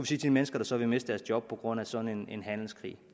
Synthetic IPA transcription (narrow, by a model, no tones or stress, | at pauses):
uʋisiːt͡sʰeimenəsɡ̥ɐɾ̥ɑ̈sɒ̽ʋe̝me̝sd̥əd̥æɐsd̥jɒ̽b̥̚pʰɒ̽ɡ̥ʁɔ̽n̰æsɒ̽dn̩e̝ne̝nɦæn̰l̩skʰʁḭː